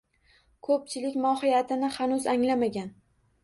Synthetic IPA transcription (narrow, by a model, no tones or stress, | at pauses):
kʰɵp̚t͡ʃʰɪlɪkʲmɒhɪjat̪ʰɪnɪhanʊzaŋlamaɡʲan